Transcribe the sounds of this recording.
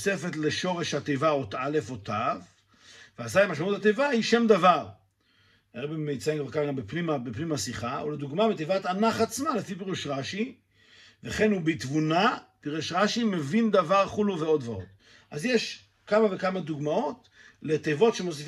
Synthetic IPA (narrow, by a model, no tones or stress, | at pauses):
se̞fe̞t̪le̞ʃo̞ʁeʃhat̪ejvaot̪ʔale̞fotav | veazajmaʃmaut̪at̪ejvahiʃe̞md̪avaʁ | eʁebimːejt͡saimɡvaʁkaɡambepnimabepnimhasiχaʔoled̪uɡmabetejvat̪anaχat͡smale̞fipiʁuʃʁaʃi | veχe̞nubit̪vunapiʁuʃʁaʃime̞vind̪avaʁχuluveo̞d̪vaot̪ | ʔazjeʃ | kamavekamad̪uɡmao̞t̪ | le̞t̪ejvo̞tʃemo̞s̬if